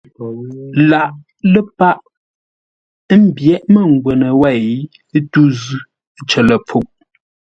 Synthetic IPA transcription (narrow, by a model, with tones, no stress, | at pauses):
la˨ʔ | lə˦pa˦ʔ | m̩˦bjɛ˦˨ʔmə˦˨ŋ˨ɡwə˨nə˨wɛ˦˨j | tu˦zʉ˦ | t͡ʃə˨lə˨p͡fu˦˨ʔ̚